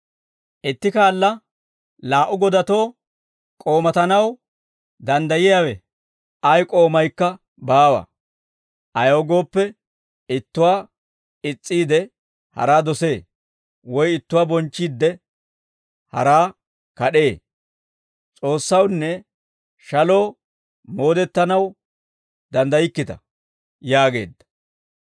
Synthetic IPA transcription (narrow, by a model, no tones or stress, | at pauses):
ʔɪt̪ːɪkaːlːɐ | laːʔʊɡɔd̪ɐt̪o̞ː | kʼo̞ːmɐt̪ɐnɐw | d̪ɐnd̪ɐjɪjawɛ | ʔɐjkʼo̞ːmɐjkːɐ | baːwɐ̰ | ʔɐjoːɡo̞ːpːɛ | ɪt̪ːʊwaː | ɪt͡sʼːiːd̪ɛ | hɐ̰ɾaːd̪ɔse̞ː | wɔjɪt̪ːʊwaːbɔnt͡ʃːiːd̪ːɛ | hɐ̰ɾaː | kɐɗe̞ː | t͡sʼo̞ːsːɐwnːɛ | ʃɐlo̞ː | mo̞ːd̪ɛt̪ːɐnɐw | d̪ɐnd̪ɐjɪkːɪt̪ɐ̰ | jaːɡe̞̰ːd̪ːɐ̥